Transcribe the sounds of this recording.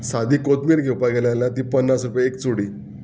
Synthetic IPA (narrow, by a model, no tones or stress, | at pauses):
sad̪ʱiːkot̪miːɾɡʱewpaɡeljaljãt̪iːpənːasɾupjeekt͡suɽiː